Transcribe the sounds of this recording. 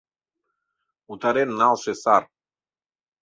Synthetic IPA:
ut̪aɾenːalˠsesaɾ

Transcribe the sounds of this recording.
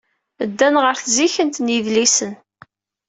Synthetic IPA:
əd̪ːænʁəɾθziçənt̪niðlisən

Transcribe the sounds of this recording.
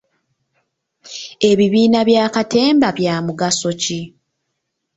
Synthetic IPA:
e̞βiβiːnaβjaːkate̞ːmbaβjaːmuɡaso̞ci

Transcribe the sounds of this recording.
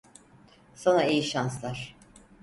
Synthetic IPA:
sonaejiʃanslˠaɾ̥

